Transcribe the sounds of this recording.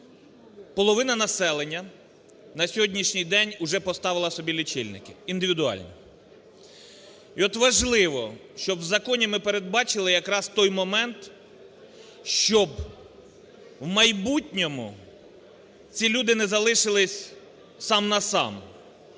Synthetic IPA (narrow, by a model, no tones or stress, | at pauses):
pɔlˠɔʋɪnɐnɐsɛlˠenʲːɐ | nɐsʲɔɦɔdʲnʲiʃnʲijd̪ɛnʲʊʒɛpɔst̪ɑʋɪlˠɐsɔbʲilʲit͡ʃɪlʲnɪkɪind̪ɪʋʲid̪ʊɑ̰lʲnʲḭ | iɔt̪ʋɐʒlˠɪʋɔʃt͡ʃɔbwzɐkɔnʲimɪpeɾed̪̚bɑt͡ʃɪlˠɪjɐkɾɑst̪ɔjmɔmɛnt̪ | ʃt͡ʃɔb | wmɐjbutʲnʲɔmʊ | t͡sʲilʲud̪ɪnɛzɐlˠɪʃɪlˠɪsʲ | sɑmnɐsɑ̰m